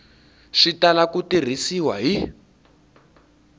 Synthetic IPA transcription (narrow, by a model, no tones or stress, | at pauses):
ʂitalakutir̤isiwa̰ɦi